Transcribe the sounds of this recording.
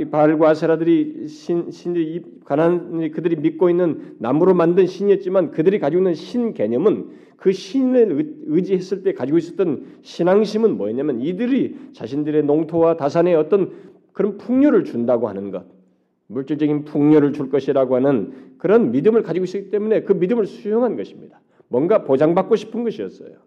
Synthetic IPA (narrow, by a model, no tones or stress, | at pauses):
paɭɡwasʰaɾadɯɾiɕʰinɕʰindɯɾi | kananɯɾikɯdɯɾimit̚k͈oinːɯnːamuɾomandɯnɕʰiɲiʌt̚t͡ɕ͈imankɯdɯɾikad͡ʑiɡoinːɯnɕʰinke̞ɲʌmɯn | kɯɕʰineɯd͡ʑihe̞s͈ɯɭt͈e̞kad͡ʑiɡois͈ʌt͈ʌnɕʰinaŋɕʰimɯnmwʌeɲamjʌnidɯɾit͡ɕaɕʰindɯɾe̞noŋtʰowatasʰane̞ʌt͈ʌn | kɯɾʌnpʰuŋɲoɾɯɭt͡ɕundaɡohanɯnɡʌt̚ | muɭt͡ɕ͈ɯɭt͡ɕ͈ʌɡinpʰuŋɲoɾɯɭt͡ɕuɭk͈ʌɕʰiɾaɡoɦhanɯnkɯɾʌnmidɯmɯɭkad͡ʑiɡoɕis͈kit͈e̞mune̞kɯmidɯmɯɭsʰujoŋɦanɡʌɕʰi̥mɲid̥ḁ | mwʌnɡapod͡ʑaŋbak͈oɕʰi̥pʰɯnɡʌɕʰiʌ̰ts͈ʌ̰jo